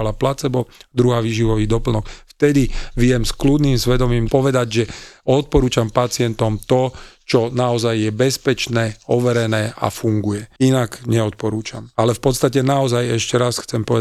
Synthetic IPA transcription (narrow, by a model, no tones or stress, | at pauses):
laplat͡sɛbɔd̪ɾuɦaːʋiːʒiʋɔʋiːd̪ɔpl̩nɔkft̪ɛd̪iʋɪɛmsklud̪niːmsʋɛd̪ɔmiːmpɔʋɛd̪aɟʒɛɔt̪̚pɔɾuːt͡ʃampat͡sɪɛnt̪ɔmt̪ɔt͡ʃɔnaɔzajːɛbɛspɛt͡ʃnɛːɔʋɛɾɛnɛːʔa̰fuŋɡujɛinaɡɲɛɔt̪̚pɔɾuːt͡ʃamalɛfpɔt̪st̪acɛnaɔzajɛʃcɛɾasxt͡sɛmpɔʋɛ